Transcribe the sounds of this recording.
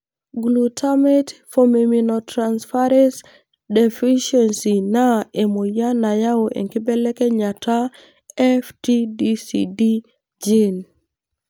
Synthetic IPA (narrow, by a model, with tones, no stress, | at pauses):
ɡlu˨tʰa˦mɛ˦tfo˨me˨mi˨nɔtɾanspa˦ɾɛns | dɛ˨fi˦ʃɛnsi˨na˦e˨mo˨ja˦na˨ja˦o˨ʔḛ˨ŋkɪ˦bɛ˦lɛ˦kɛ˦ɲa˨ta˦ | ɛ˦fti˦disḭdi˦ | d͡ʒe˦n